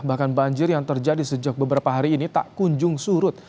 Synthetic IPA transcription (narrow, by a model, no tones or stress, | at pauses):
bahkanbaɲd͡ʒɪrjaŋt̪ərd͡ʒadisəd͡ʒak̚bəbəɾapaɦaɾiːnit̪a̰ʔkuɲd͡ʒʊŋsuɾʊt̪̚